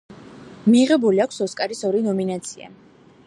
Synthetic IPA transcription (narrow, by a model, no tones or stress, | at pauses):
miːʁɛbuliakʷʰsɔskʼaɾisɔɾinɔminat̪sʰia̰